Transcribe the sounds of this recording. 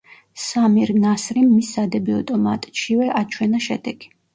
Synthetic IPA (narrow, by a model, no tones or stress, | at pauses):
samiɾnasɾimːisːad̪ɛbiɔt̪ʼɔmat̪ʼt͡ʃʰivɛʔat͡ʃʰwɛnaʃɛ̰d̪ɛɡ̥i̥